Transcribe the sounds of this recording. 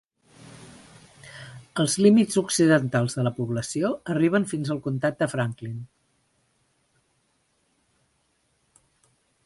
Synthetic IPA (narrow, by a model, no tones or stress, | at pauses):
əlˠzlimizuksiðənt̪alˠzðələpuβləsioəriβ̞ənfinzəlˠkunt̪at̪̚d̪əfɾaŋklin